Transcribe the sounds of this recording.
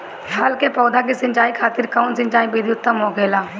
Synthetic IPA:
ɦɐlkepɔːd̪ʱak̬isɪ̃ɲt͡ʃaːikʰaːt̪ɪɾkaʊnsɪ̃ɲt͡ʃaːibiːd̪ʱiʊt̪ːəmoːkeːlaː

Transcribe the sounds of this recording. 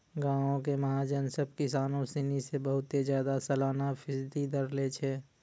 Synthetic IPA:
ɡãːõk̬emɐɦaːd͡ʒənsəb̚kɪsaːnõsinisebəɦʊt̪ezjaːd̪asɐlaːnapʰɪsd̪id̪əɾlet͡ʃʰeː

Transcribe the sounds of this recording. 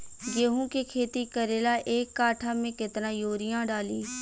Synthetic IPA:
ɡeːɦũːkekʰeːt̪ikəɾeːlaːʔeːkːaːʈʰaːmẽːkɪt̪nãːjoːɾɪjãːɖaːliː

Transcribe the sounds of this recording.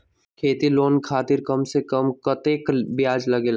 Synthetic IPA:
kʰeːt̪iloːnkʰaːt̪ɪɾkɐmsekɐmkɐt̪eːkbɪjaːd͡ʒlɐɡeːl

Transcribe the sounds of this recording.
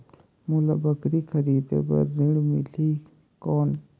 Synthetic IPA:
mulabəkɾikʰəɾiːd̪ḛbɐ̰ɾːiɽumḭliː | koːn

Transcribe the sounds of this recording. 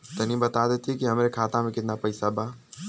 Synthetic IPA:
t̪ɐnĩbɐt̪ad̪eːt̪iɦɛkiɦɐmɾekʰaːt̪ãmẽkɪt̪napɐɪsabaː

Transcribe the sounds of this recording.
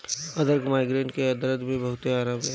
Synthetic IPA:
ɐd̪əɾɡmaːɪɡɾẽːɳʈkeɐd̪ɾəd̪bẽbɐɦʊt̪eaːɾaːmɦɛː

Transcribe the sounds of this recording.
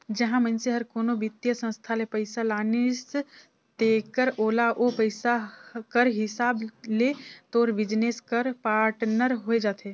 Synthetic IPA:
d͡ʒəɦãmə̃nseɦəɾkoːnobɪt̪jəsə̃nst̪ʰalepəɪsalaːnes | t̪eːkəɾoːlaʔopəɪsakəɾɦɪsaːblet̪oːɾʋɪd͡ʒneːskəɾpaːɾʈnəɾɦoed͡ʒaːt̪ʰeː

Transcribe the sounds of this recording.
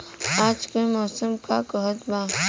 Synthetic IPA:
aːd͡ʒkemɔːsəmkakəɦət̪baː

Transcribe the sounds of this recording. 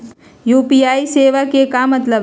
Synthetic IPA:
juːpiːaːiseːʋakekamɐt̪ləb

